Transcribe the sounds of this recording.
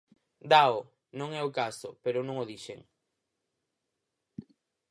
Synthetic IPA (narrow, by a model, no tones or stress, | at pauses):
d̪ao | nõŋɛokasʊ̰peɾʊnõŋoðiʃḛŋ